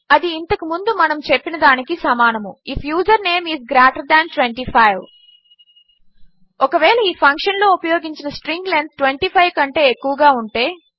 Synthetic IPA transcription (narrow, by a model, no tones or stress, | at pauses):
ɐd̪iːnt̪ɐkumund̪umɐnɐmt͡ʃe̞pːinɐd̪aːnikisɐmaːnɐmuifʰjuːd͡ʒɐɾne̞ːmiːzɡɾaːʈɐɾd̪æːnʈʋeɳʈiːpʰɐjʋ | ɔkɐʋeːɭɐiːpʰɐŋkʂɐnlo̞ːupɐjoːɡiɲt͡ʃinɐsʈɾiŋɡlend̪̚ʈʋeɳʈiːpʰɐjʋkɐɳʈe̞ːekːuʋɐɡaːuɳʈe̞ː